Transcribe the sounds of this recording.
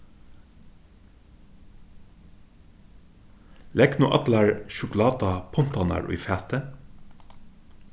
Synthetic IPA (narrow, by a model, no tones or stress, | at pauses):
lɛknuːʔɑt̪læɹʃʊklɑːd̪ɑpʰɔnt̪ɑnæ̰ɹʔʊ̰ːfæːt̪ə